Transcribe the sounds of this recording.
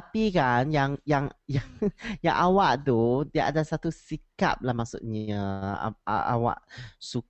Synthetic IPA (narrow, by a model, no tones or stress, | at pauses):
apikanjaŋjaŋjaŋja̰ŋʔawaʔdudiaʔa̰dasat̪usika̰p̚lamaʔsut̪̚ɲə̰ | ʔa̰wa̰ʔsuk